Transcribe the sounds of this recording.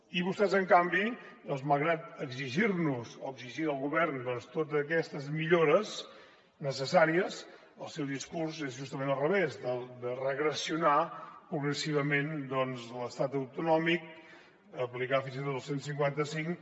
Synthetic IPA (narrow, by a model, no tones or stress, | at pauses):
iβust̪ɛzəŋkambi | d̪ɔnzməlˠɣɾat̪əɡziʒirnuzoəɡziʒiəlˠɣuβɛrnd̪ɔnst̪ot̪ːkɛst̪əzmiʎoɾəz | nəsəsaɾiəs | əlˠsɛwðiskurzezʒust̪əmẽnəlˠrəβezdəlˠd̪ərəɣɾəsiunapɾuɣɾəsiβ̞əmend̪ɔnzləst̪at̪əwt̪unɔmik̚ | əplikafinzit̪ot̪əlˠsensiŋkwant̪əsiŋ